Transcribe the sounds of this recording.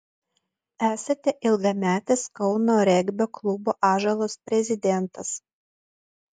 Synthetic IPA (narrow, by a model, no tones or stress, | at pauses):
æːsɐt̪ʲɛʔɪlˠɡɐmʲæːt̪ʲɛskɔʊnoːɾʲɛɡʲbʲoklˠʊboːʔɑːʒɐlˠoːspʲɾʲɛzʲɪd̪ʲɛnt̪ɐs